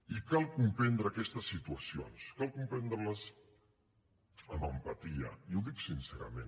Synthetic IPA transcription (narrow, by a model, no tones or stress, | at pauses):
ikalˠkumpɛnd̪ɾəːkɛst̪əsːit̪uəsio̰nskalˠkumpɛnd̪ɾələz | əmbəmpat̪iə̰iuðiksinsɛɾə̰men